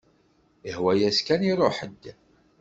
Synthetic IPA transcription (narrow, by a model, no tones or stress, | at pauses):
əhwæjæskæniɾˤoħədː